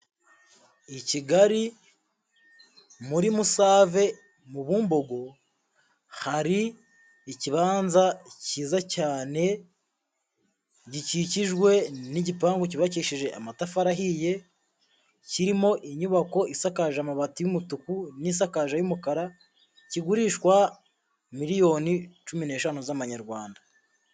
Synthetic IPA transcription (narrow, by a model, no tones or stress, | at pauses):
iciɡaɾi | muɾimusaːve̞ | muβuːmbo̞ɡo̞ | haɾiː | ciβaːnzaciːzacaːne̞ | ɟiciciʒɡwe̞niɟipaːŋɡociβaciʃiʒe̞ʔamatafaɾaɦije̞ | ciɾimo̞ʔiɲuβako̞ʔisakaʒamaβatijumutukunis̬akaʒajumukaɾa | ciɡuɾiːʃkwa | miɾijo̞nit͡ʃumine̞ːʃanuzaβaɲaɾɡwaːnda